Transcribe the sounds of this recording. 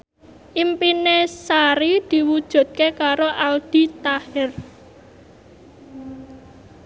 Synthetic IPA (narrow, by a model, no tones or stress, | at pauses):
ʔimpinesaɾid̪̥i̤wud̥ʒ̥ṳd̪̚kekaɾoʔald̪̥i̤t̪ahɪr